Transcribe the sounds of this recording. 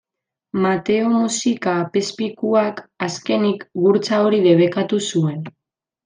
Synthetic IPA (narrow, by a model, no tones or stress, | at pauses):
mat̪e̞omusikaːpe̞spikuakaske̞nikɡuɾt͡sao̞ɾiðe̞β̞e̞kat̪usue̞n